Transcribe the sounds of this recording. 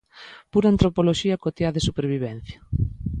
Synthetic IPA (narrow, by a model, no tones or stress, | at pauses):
puɾant̪ɾopoloʃiɐkot̪jaðesupeɾβiβɛn̟θjɐ